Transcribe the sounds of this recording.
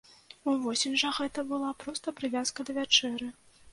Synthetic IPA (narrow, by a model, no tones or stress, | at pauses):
uvɔsʲinʲʐɐɣɛt̪ɐbɨlˠapɾɔst̪ɐpɾɨvʲaskɐd̪ɐvʲat͡ʂɛɾɨ